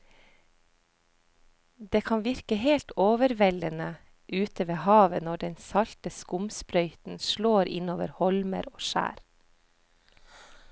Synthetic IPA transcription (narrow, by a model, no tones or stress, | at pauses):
d̪eːkʰɑnʋɪɾkəheːlt̪oːʋəɾʋɛlənə | ʔʉːt̪ʰəʋeːhɑːʋənɔɖɛnsɑlt̪əskʊmspɾœʏt̪n̩ʃloːɾɪ̰noːʋə̰ɾhɔlmə̰ɾoːʃæ̰ːɾ